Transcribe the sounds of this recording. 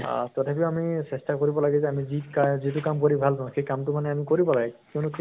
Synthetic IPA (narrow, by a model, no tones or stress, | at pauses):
tɔtʰapiamisestakoɹibɔlaɡɛzɛamizikazit̬ʊkamkoɹibʱalkãxejkamtʊmanɛamikoɹibɔlaɡɛkeʊnʊk